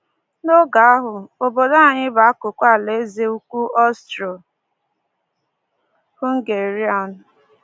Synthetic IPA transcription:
no˦ɡa˨a˦ɦʊ˨o˨bo˨da˦a˨ɲɪ˦ba˨a˦kʊ˨kʷa˦˨le˨˦ze˦u˦kʷu˦ɔ˦stɾɔ˨ | hʊ˦ŋ̩˦ɡe˨ɾi˦a˦˨nʊ˨

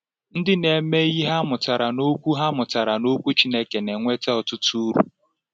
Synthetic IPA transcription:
n̩˦dɪ˦ne˨me˦ɣi˦ɦa˦mʊ˨ta˨ɾa˨no˦kʷu˦ɦa˦mʊ˨ta˨ɾa˨no˦kʷu˦t͡ʃi˦ne˦ke˨ne˨ŋʷe˦te˦ɔ˨tʊ˦tu˦ɾṵ˨

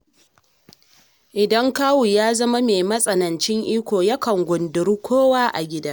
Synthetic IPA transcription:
ʔɪ˨dɐ˦ŋkaː˦wu˨jaː˦zɐ˦ma˦meː˨mɐ˦sʼɐ˨nɐ˨nt͡ʃɪ˦ŋʔiː˦kʷoː˨jɐ˦kɐ˨ŋɡʷʊ˨ndʊ˨ɾu˦kʷoː˦waː˦ʔa̰˨ɡʲɪ˦daː˦

